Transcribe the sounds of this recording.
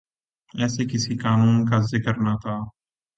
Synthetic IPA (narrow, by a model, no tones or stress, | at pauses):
ɛːseːkɪsiːkaːnuːnkazɪkəɾnat̪ʰaː